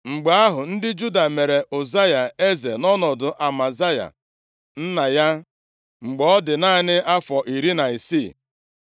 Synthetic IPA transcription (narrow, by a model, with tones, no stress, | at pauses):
ŋ͡m̩˨ɡ͡ba˨a˦ɦʊ˨n̩˦dɪ˦d͡ʒu˦da˨me˨ɾe˨ʔo˨za˦ja˨e˦ze˨nɔ˦nɔ˨dʊ˨ʔa˨ma˨za˦ja̰˨ | n̩˦na˨ja˦ | ŋ͡m̩˨ɡ͡bɔ˦ɔ˦dɪ˨na˦nɪ˦a˦fɔ˨ʔi˨ɾi˦na˨i˨si˦˨